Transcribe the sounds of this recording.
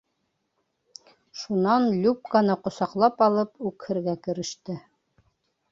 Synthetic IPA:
ʃunɑnlʲup̚kanɤqŏsɑqlˠɑpɑlˠɤpʉkhɘ̆ɾɡækɘ̆ɾɘ̆ʃt̪ɘ

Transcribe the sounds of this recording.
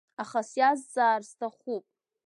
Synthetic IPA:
aχasjazd͡zaːrstʰaχupʼ

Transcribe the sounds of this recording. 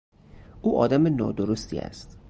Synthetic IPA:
ʔuːʔɒ̰ːd̪æmenɒ̰ːd̪oɾost̪ḭːæ̰st̪

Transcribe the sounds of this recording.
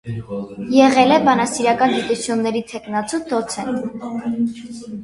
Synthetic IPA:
jɛʁɛlɛbɑnɑsiɾɑkɑnɡit̪ut͡sʰjunːɛɾit̪ʰɛknɑt͡sʰud̪ɔt͡sʰɛn

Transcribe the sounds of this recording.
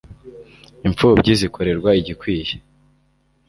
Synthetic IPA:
iɱp͡fubɟizikʰo̞ɾe̞ɾɡwaiɟikwiːje̥

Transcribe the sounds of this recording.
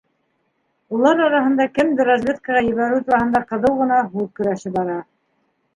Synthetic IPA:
ulˠɑɾɑɾɑɦɤ̆nd̪ɑkɘmd̪ɘɾozvʲet̪kəʁɑjɵ̆βæɾɘwt̪uɾɑhɤ̆nd̪ɑqɤ̆ðɤwʁɤ̆nɑɦʉðkɵ̆ɾæʃɘbɑɾɑ

